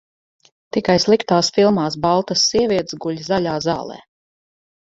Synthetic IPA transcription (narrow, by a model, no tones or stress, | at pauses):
t̪ikajslˠikt̪aːsfilˠmaːsbalˠt̪asːiɛvʲiɛt̪zɡuʎʲzalʲaːzɑ̰ːlˠɛ̰ː